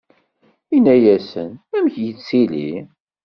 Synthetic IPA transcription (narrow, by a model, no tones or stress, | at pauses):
inːæjæsə̰næmçjət͡st͡sːilḭ